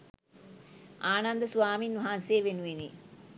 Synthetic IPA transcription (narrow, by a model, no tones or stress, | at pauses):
aːnand̪əsuʋaːminʋɐɦanseːʋenuʋeni